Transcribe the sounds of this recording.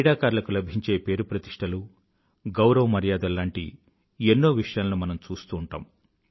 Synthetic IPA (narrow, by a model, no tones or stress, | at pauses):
ɽaːkaːɾlɐkulɐbʱiɲt͡ʃe̞ːpe̞ːɾupɾɐt̪iʂʈʰɐlu | ɡɐwɾɐʋɐmɐɾijaːd̪ɐlaːɳʈḭ | enːoːʋiʂɐjaːlɐnumɐnɐmt͡ʃuːst̪uːɳʈa̰ːm